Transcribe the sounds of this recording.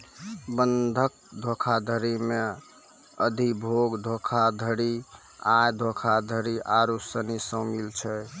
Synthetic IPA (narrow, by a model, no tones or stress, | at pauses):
bənd̪ʱək̚ | d̪ʱokʰad̪ʱəɾime | əd̪ʱibʱoɡd̪ʱokʰad̪ʱəɾi | ajd̪ʱokʰad̪ʱəɾiʔaɾusənisə̃milt͡ʃʰɛ